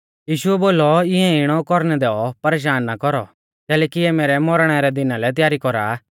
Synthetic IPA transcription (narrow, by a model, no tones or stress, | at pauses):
jiːʃuɛboːlɔɪɛ̃ɪɽ̃ɔkɔɾnɛd̪ɛɔpɐɾeːʃ̬aːnːakɔɾɔ̰ | kɛːlɛːkiɛmeːɾɛmɔɾɽ̃ɛɾɛd̪ɪnalɛt̪̬ɪjaːɾikɔɾa̰ː